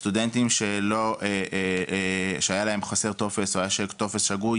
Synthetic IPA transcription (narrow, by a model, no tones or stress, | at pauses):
st̪ude̞nt̪imʃelo̞ʔeʔ | ʃeajalae̞mχase̞ʁt̪o̞fe̞soajaʃet̪o̞fesʃaɡuj